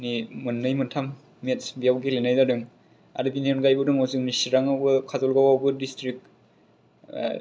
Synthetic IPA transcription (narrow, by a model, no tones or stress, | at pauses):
nimɯnːɯjmɯntʰamː | etsbijawɡelenajdadɯŋ | a̰ɾɯbinenɡajbɯdɯŋɔwzɯnisiɾaŋabɯkʰazɔlɡawawbɯdistɾik̚